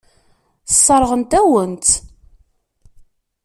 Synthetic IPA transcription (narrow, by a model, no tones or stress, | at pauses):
θsˤːɑɾˤəʁənt̪æwənt̪